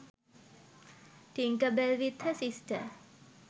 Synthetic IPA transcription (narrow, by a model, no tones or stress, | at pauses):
t̪iŋkəbəlʋit̪həsisʈə̰